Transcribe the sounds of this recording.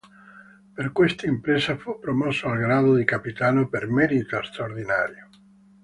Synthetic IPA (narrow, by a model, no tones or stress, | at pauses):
perkwest̪aimpɾeːsafupːɾomɔsːoalɡɾaːd̪od̪ikapit̪aːnopermɛɾit̪ast̪ɾaoɾd̪ina̰ːɾjo